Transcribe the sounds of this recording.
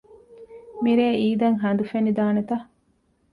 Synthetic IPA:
miɾeːiːd̪ɐŋɦɐnd̪ufenid̪aːnet̪ɐ

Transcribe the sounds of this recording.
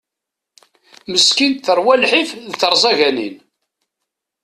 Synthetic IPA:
məskint̪θəɾˤwælħifðθəɾˤzˤɑʝænḭn

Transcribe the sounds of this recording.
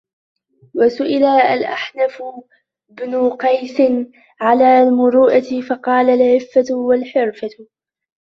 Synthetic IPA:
wasʊʔɪlaʔalʔa̰ħnaf | bnʊqɑjsɪn | ʕalaːlmʊɾuːʔat̪fɑqɑːlalʕɪfːawalħɪɾfa

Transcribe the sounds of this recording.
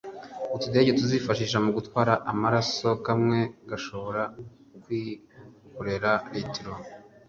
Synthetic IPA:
utude̞ɟetuziːfaʃiːʃ̬amuɡutwaːɾaʔamaɾaso̞kamŋe̞ɡaʃo̞βo̞ɾa | kwiː | kuɾe̞ɾaɾetɾo

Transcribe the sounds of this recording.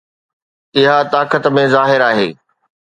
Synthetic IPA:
ɪɦat̪aːkət̪mẽzaːɦɪɾaːɦeː

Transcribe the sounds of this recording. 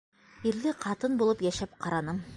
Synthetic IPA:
iɾlɘqʰɑt̪ɤnbulˠɤpjæʃæp̚qʰɑɾɑnɤm

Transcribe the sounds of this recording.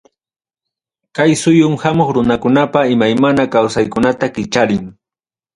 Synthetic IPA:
kajsʊjʊmhamoχɾʊnakʊnapaɪmajmanakawsajkʊnat̪akɪt͡ʃaɾɪŋ

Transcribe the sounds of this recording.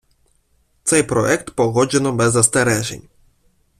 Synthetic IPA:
t̪sajpɾɔ̰jɛkt̪pɔɣɔd͡ʑinambɛzːast̪ɛɾɛʑɛ̰ɲʲ

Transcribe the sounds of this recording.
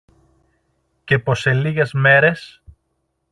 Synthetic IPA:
ce̞po̞se̞liɣe̞zme̞ɾe̞s

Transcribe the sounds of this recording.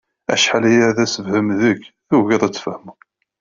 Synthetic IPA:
æ̰ʃħalijæðæsəvhəmðəkθuʝəðˤæt͡sːfəhm

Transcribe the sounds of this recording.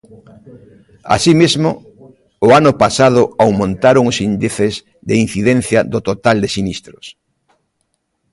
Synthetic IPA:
a̰simizmoʊː | anʊpasaðʊawmõnt̪aɾoŋʊsind̪iθɪz | ðein̟θiðɛ̃n̟θjɐðot̪ot̪ald̪esinist̪ɾʊs

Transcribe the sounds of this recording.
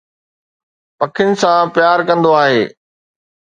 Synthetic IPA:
pɐkʰɪnɪ̆sãpjaːɾkɐ̃nd̪oaːɦeː

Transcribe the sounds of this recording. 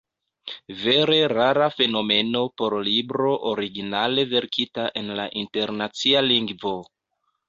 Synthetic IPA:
ve̞ɾe̞ɾaɾafe̞no̞me̞no̞po̞ɾlibɾo̞ʔoɾiɡinale̞ve̞ɾkʰitaʔe̞nlaʔinte̞ɾnat͡sialiŋɡvo̞

